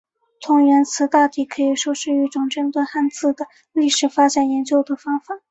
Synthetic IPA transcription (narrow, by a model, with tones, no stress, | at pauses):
t̪ʰʊ˧˥ŋɥɛ˧˥nt͡sʰɹ̩˧˥t̪a˥˧t̪i˥˩kʰɤ˧˥i˨˩ʂwɔ˥ʂɻ̩˥˧y˧˥˩ʈ͡ʂʊ˨˩ŋʈ͡ʂɤ˥˧nt̪we˥˧xa˥˧nt͡sɹ̩˥˩d̪ə˩ | li˥˩ʂɻ̩˨˩fa˥t͡ɕa˨˩njɛ˧˥nt͡ɕjo˥ʊd̪ə˩fɑ˥ŋfa˨˩˦